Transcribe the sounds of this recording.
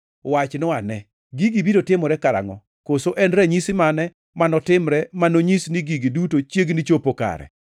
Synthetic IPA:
wat͡ʃnɔanɛ | ɡiɡibidotɪmɔɾɛkaɾa̰ŋɔ̰ | kosoʔɛnɾɛɲisɪmanɛ | manɔtɪmɾɛmanoɲisniɡiɡidutot͡ʃjeɡnit͡ʃopoka̰ɾɛ̰

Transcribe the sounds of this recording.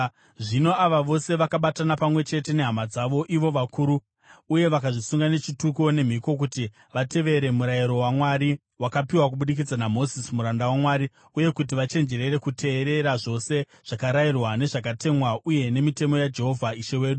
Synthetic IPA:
ʐino̞aʋaʋo̞se̞ʋakaɓatanapamwe̞t͡ʃe̞te̞ne̞ɦamad͡zaʋo̞ʔiʋo̞ʋakʰuɾu | uje̞ʋakaʐisuŋɡane̞t͡ʃituko̞ne̞m̤iko̞k̬uti | ʋate̞ʋe̞ɾe̞muɾaiɾo̞wamwaɾi | wakapiwak̬uɓuɗik̬id͡zanamo̞zismuɾandawamwaːɾi | uje̞kut̬iʋat͡ʃe̞nd͡ʒe̞ɾe̞ɾe̞kutʰe̞ːɾe̞ɾaʐo̞se̞ | ʐ̥akaɾairwane̞ʐak̬ate̞mwauje̞ne̞mite̞mo̞jad͡ʒe̞ɦo̞vʱaiʃe̞we̞ːɗu

